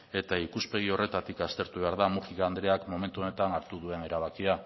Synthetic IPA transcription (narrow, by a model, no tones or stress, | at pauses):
e̞t̪aikuspe̞ɣ̞io̞re̞t̪at̪ikast̪e̞ɾt̪uβe̞aɾðamuʝikaːnd̪ɾe̞akmo̞me̞nt̪uo̞ne̞t̪anaɾt̪uðue̞ne̞ɾaβ̞akia